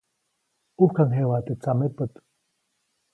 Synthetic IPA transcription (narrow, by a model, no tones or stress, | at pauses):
uhkaŋɦewat̪ɨt͡samepət̪